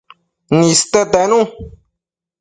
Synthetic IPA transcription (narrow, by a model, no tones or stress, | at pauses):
nĩst̪et̪ɛnũ